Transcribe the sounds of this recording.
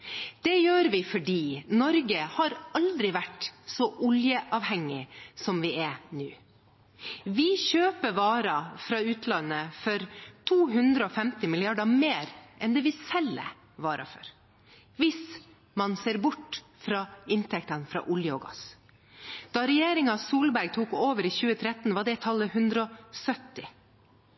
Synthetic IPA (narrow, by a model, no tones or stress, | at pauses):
d̪̥ɛjøːɾʋɪfɔɖiːnɔɾɡəhɑɾɑld̪ɾɪʋæʈsɔʔʊljəʔɑːʋhɛŋːɪsɔmʋɪɛnʉː | ʋɪçøːpəʋɑːɾɑfɾɑːʉːt̪ʰlɑnːəfɔɾt̪ʰuːɦʉnd̪ɾəɔfɛmt̪ɪmɪlɪɑɖɑmeːɾʔɛnd̪ɛːʋɪsɛlːə̰ | ʋɑːɾɑ̰fɔ̰ɾ | ʋɪs | mɑnseːɾbʊʈː | fɾɑːɪnt̪ʰɛkt̪ənfɾɑ̰ːʔʊljəɔɡɑ̰s | d̪̥ɑɾɛjeːɾɪŋɑsuːlbæɾɡ̚t̪ʰuːkoːʋəɾɪçʉːət̪ʰɾɛt̪ːn̩ʋɑɖɛt̪ʰɑlːəhʉnd̪ɾəɔsœt̪ːɪ